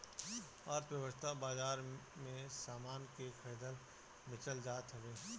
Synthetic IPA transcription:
aːɾt̪ʰʋjəʋəst̪ʰabaːzaːɾmẽsaːmaːnkekʰɛːd̪əɾ | mɪt͡ʃəld͡ʒaːt̪ɦɐʋẽː

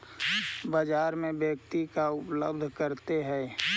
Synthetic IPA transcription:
bəd͡ʒaːɾmẽbjək̚t̪ikaʊpləbd̪ʱkəɾt̪eɦɛ

